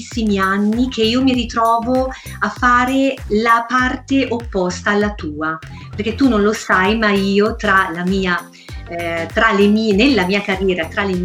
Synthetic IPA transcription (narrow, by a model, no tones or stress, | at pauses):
sːimianːik̟ʰeiːomiɾit̪ɾɔːvo | afːaːɾelapart̪eʔopːɔst̪aːlːat̪uːa | perk̟et̪ːunːõnlosajmaiːot̪ɾalamiːa | t̪ɾalemiːnelːamiːakarːjɛːɾat̪ɾalːe